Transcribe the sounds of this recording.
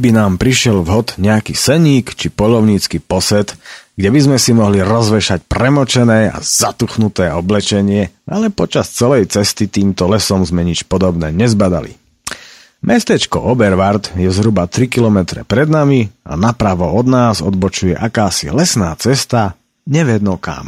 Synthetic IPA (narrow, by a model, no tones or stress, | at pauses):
binaːmpɾiʃɪɛlvɦɔt̪ɲɛakisɛɲiːkt͡ʃipɔʎɔʊɲiːt͡skipɔsɛt̪ɡɟɛbizmɛsimɔɦliɾɔzʋɛʃacpɾɛmɔt͡ʃɛnɛːa̰z̥at̪uxnut̪ɛːɔblɛt͡ʃɛɲɪɛʔalɛpɔt͡ʃast͡sɛlɛjt͡sɛst̪it̪iːmt̪ɔlɛsɔmzmɛɲit͡ʃpɔd̪ɔbnɛːɲɛzbad̪a̰lḭ | mʔɛst̪ɛt͡ʃkɔ̰ʔɔbɛɾʋaɾt̪jɛzɦɾubat̪ɾikilɔmɛt̪ɾɛ̰pɾɛd̪namia̰napɾaʋɔɔd̪naːzɔd̪bɔt͡ʃujɛʔakaːsḭlɛsnaːt͡sɛst̪a | ɲɛʋɛd̪nɔka̰m